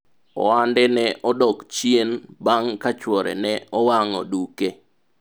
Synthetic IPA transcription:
ɔ̰wandɛnɛʔɔdɔkt͡ʃjienbaŋkat͡ʃwɔɾɛ̰nɛɔwaŋɔ̰duke

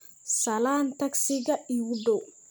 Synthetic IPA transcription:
sɐlaːnt̪ʰɐksɪɡɐʔiwʊdɔ

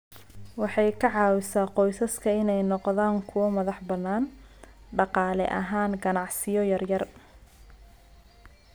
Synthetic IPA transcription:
wɑħɑjkʰɐʕɑːwɪsaːqɔjsɐskʰɐɪnɛjnɔqðaːŋkʰʊwɐmɐðɑħbɐnːaːn | ɖɑqɑːlɛ̰ʔɐɦaːŋɡɐnɑʕsɪjɔjɐrjɐr

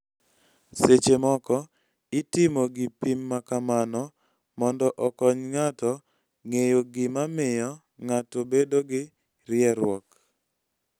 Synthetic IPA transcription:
set͡ʃemɔkɔ | ɪtɪmoɡɪpimːakamanɔ | mɔndɔʔɔkɔɲŋatɔ | ŋejoɡɪmamɪjɔ | ŋatobedoɡɪ | ɾɪɛɾwɔk

